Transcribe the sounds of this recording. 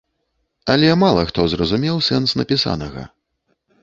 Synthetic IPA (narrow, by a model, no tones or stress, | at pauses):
ɐlʲɛmalˠɐxt̪ɔzrɐzumʲɛwsɛnsnɐpʲisa̰nɐɣɐ̰